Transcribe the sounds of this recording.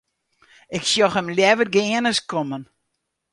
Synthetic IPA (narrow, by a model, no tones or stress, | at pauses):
ɪksjɔxəmljɛʋərɡɪənəskomən